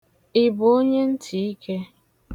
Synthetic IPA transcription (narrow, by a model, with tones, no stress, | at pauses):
ɪ˨bo˦ɲe˦n̩˦tʰi˨i˦kʰe˦